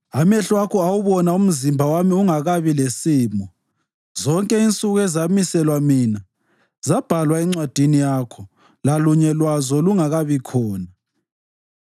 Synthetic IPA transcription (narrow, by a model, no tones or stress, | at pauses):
amɛɬwakʰɔawuβɔnaum̩zimbʱawamiuŋaɣaβilesiːmɔ | zɔŋkʼɛint͡sʼuɣɛzamisɛlwamiːna | zab̥ʱalwaɛŋ͡ǀwad̥ʱinijakʰɔ | laluɲɛlwazɔluŋaɣaβikʰɔːna